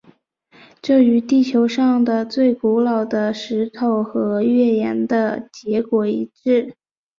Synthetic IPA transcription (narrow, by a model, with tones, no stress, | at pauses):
ʈ͡ʂɤ˥˩y˧˥t̪i˥˩t͡ɕʰjo˧˥ʊʂɑ˥˩ŋd̪ə˩t͡swe˥˩ɪku˧˥lɑ˨˩ʊd̪ə˧ʂɻ̩˧˥t̪ʰo˨˩ʊxɤ˧˥ɥɛ˥˩jɛ˧˥nd̪ə˧t͡ɕjɛ˧˥kwɔ˨˩i˧˥ʈ͡ʂɻ̩˥˩